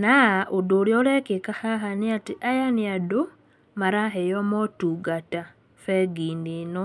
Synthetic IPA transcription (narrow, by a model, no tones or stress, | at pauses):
naʔodoɾjɔɾɛkekahaɦaniatiʔajaniado | maɾaɦɛjɔmɔtuɡata | fɛɡindenɔ